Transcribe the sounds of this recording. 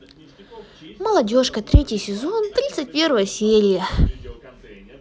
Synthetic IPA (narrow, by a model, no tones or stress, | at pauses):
məlˠɐdʲo̞ʂkət̪ɾʲetʲɪjsʲɪzo̞nt̪ɾʲit̪sɨt̚ʲpʲe̞ɾvəjəsʲeɾʲɪjə